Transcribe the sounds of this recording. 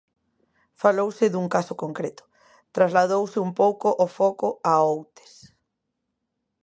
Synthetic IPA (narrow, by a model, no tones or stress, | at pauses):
falowsɪðuŋkasʊkoŋkɾet̪ʊ̥ | t̪ɾazlað̞owsɪumpowkoʔɔfɔkʊaowt̪e̥s